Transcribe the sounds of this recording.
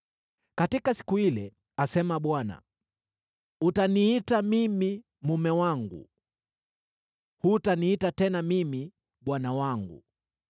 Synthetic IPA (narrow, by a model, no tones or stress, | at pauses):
katikasi̥kuilɛ | asɛmaɓwana̰ | utaniitamimi | mumɛwaŋɡṵ | hutaniitatɛnamimi | ɓwanawaŋɡṵ